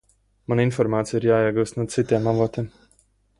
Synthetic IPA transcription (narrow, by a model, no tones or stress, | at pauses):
maninfɔɾmaːt̪sʲiiɾjaːiɛɡuːst̪nuɔsit̪iɛmavoːt̪iɛm